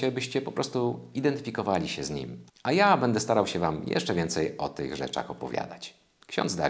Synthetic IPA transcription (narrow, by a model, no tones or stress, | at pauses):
ɛbɘɕt͡ɕɛpɔpɾɔst̪uid̪ɛnt̪ɘfʲikɔvalʲiɕɛzɲḭmajabɛnd̪ɛst̪aɾawɕɛvamjɛ̰ʂt͡ʂɛvʲjɛnt̪sɛjɔt̪ɘɣʐɛ̰t͡ʂa̰xɔpɔvʲja̰d̪at͡ɕ | kɕɔ̰nd̪zd̪a̰